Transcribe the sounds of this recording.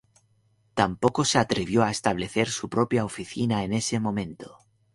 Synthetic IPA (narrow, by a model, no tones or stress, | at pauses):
t̪ampokoseat̪ɾeβ̞joaest̪aβleθeɾsupɾopjaofiθinaenesemõ̞mẽnt̪o̥